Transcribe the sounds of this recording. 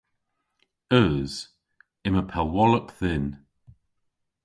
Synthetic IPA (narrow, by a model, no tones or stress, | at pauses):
əz̥ | ɪməpʰəwɔləpθɪn